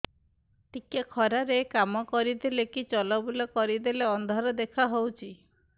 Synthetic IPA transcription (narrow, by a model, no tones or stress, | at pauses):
t̪ikekʰɔɾaɾekamɔkɔɾid̪elekit͡ʃɔlɔbulɔkɔɾid̪eleɔnd̪ʱɔɾɔd̪ekʰaɦowt͡ʃʰi